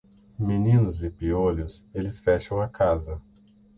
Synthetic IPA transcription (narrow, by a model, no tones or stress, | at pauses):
minĩnʊzɪpiolʊselɪsfɛʃɐ̃w̃ɐkazɐ